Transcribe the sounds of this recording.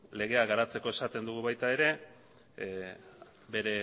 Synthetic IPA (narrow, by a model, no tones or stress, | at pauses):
le̞ɣe̞aɣaɾat͡se̞ko̞e̞sat̪e̞nd̪uɣ̞uβajt̪aeɾe̞ | be̞ɾe̞